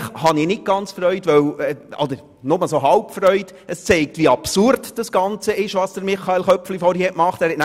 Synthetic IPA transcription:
χhɑninɪt̚ɡ̥ɑnt͡sfɾœʏtʋœwɔ̰d̪əɾ | nʊməsoɦɑlpfɾœʏd | əst͡sɛɪk̚tvʋiɑpsuɾdd̥ɑsɡ̥ɑnt͡səɪʃʋɑːsd̥əɾmɪχːɑelχœpflifɔɾhihɛtmɑχtæːɾhɛtnæ

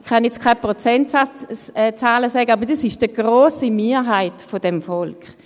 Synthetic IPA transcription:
χanjɛt͡skʰaɪpʁot͡sɛntaɛt͡saːləsɛɡəabɐd̥asɪʃd̥əɡ̥ʁoːsimeːɐɦaɪtfod̥ɛmfɔlkχ

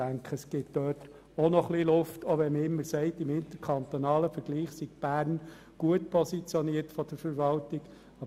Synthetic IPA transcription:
æŋkχəsɡ̥ɪt̚d̥øːt | ɔnɔχlilʊftʰoʋɛməɪmːəɾsɛɪtɪmɪnt̪əɾkʰɑnt̪ɔnɑːləfəɾɡ̥liːχsiɡ̥b̥æːɾn | ɡ̥uətpʰɔsit͡sjɔniərtfɔd̥əɾfəɾʋɑltɪɡ | ɑ

